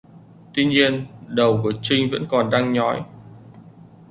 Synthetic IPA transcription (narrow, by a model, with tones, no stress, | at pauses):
t̪wi˧ɲi˧ənɗə˨˩wku˧˩ət͡ɕï˧ŋ̟və̰˧˥nkɔ˨˩nɗaː˧ŋɲɔ˨˦j